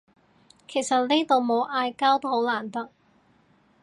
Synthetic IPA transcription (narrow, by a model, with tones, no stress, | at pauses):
kʰe˨˩jsɐ˨t̚niː˥t̪o˨˧wmo˨˧wʔaː˧jkaː˥wt̪o˥who˨˥wlaː˨˩nt̪ɐ˥k̚